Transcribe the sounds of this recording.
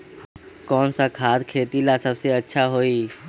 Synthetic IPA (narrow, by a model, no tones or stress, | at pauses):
kɔːnsakʰaːd̪kʰeːt̪ilasəbseətːʃʰaɦoːi